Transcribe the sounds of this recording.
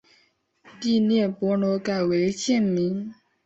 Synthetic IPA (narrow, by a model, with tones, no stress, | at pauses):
t̪i˥˨njɛ˥˨npwɔ˧˦no˧˦ka˨˩we˨˦ɪt͡ɕʰjɛ˥˨nmi˨˦ŋ